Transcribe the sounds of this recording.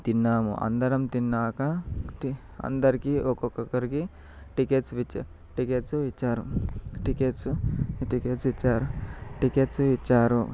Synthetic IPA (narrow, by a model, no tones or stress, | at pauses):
t̪inːaːmṵʔɐ̰nd̪ɐɾɐmt̪inːaːkɐti | ɐ̰nd̪ɐɾikiʔokokːokːɐɾiki | ʈikeːʈsʋit͡ʃːa | ʈikeːʈsuʋit͡ʃːaːɾuʈikeːʈsuʈikeːʈsʋit͡ʃːaːɾuʈikeʈsuʋit͡ʃːaːɾu